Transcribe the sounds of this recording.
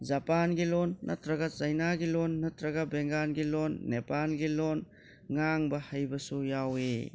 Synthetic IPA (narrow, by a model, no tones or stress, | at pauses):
d͡ʒɐpanɡilonːɐtɾɐɡɐzɐjnaɡilonːɐtɾɐɡɐbeŋɡanɡilonːepalɡilon | ŋaŋbɐhajbɐsujawe